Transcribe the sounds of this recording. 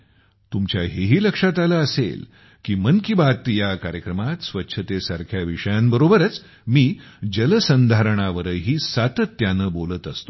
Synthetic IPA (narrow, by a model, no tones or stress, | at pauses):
t̪umt͡ɕjaɦeɦiːləkʂat̪alaːsḛl | kiːmənkibat̪jakaɾjəkɾəmat̪sʋətːɕʰət̪esaɾkʰjaʋiʂəjãmbəɾobəɾət͡s | miːd͡ʑələsənd̪ʱaɾəɳ̃aʋəɾəɦiːsat̪ət̪ːjanəbolət̪əst̪o̥